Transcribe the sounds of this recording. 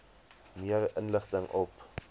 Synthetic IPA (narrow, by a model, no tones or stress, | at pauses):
miərənləχtəŋʔɔp